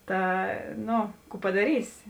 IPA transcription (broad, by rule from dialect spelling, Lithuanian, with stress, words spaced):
ˈtɐ ˈnoː ˈkuː pɐdɐˈrʲiːsʲɪ